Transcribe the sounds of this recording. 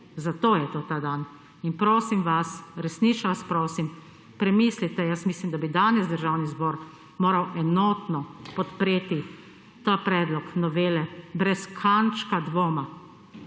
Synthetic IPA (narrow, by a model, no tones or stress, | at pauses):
zat̪oːjɛt̪oːt̪aːd̪an | inpɾoːsimʋasɾɛsniːt͡ʃʋaspɾoːsim | pɾɛmislit̪ɛjəsmiːslimd̪abid̪aːnɛzd̪əɾʒaːwnizboːɾ | moːɾawɛnoːt̪nɔpɔt̪pɾeːt̪i | t̪apɾɛːd̪lɔknɔʋeːlɛbɾɛskʰant͡ʃkad̪ʋoːma